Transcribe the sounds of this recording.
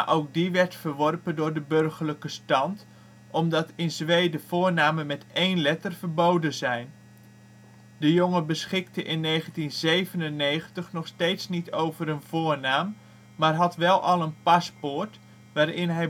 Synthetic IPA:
ʔowk̚diʋɛɹtfərʋɔrpəndʊːɹdəbørχərləkəstɑnt | ʔɔmdɑtɪnzʋejdəv̥ʊːɹnaːmənmɛtejnlɛtərv̥əɹbowdənzɛjn | dəjoŋəbəsχɪktəʔɪnːejχəntinzejvənənːejχəntəχnɔχstejtsnitowvəɾənv̥ʊːɹnaːmː | aːrɦɑtʋɛlˠɑ̰lˠənpaspʊɹt | ʋaːɾɪnɦɛj

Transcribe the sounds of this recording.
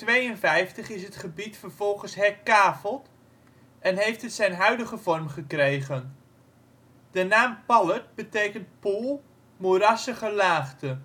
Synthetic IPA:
tʋejənvɛjftəχɪsɦətχəbitfərv̥ɔlˠχənsɦɛkaːfəlˠt | ɛnɦejftɦətsɛjnɦœɥdəχəvɔrmχəkrejχən | dənaːmpɑlət̚bətejkənt̚pulˠ | moɾɑsəχəlaːχtə

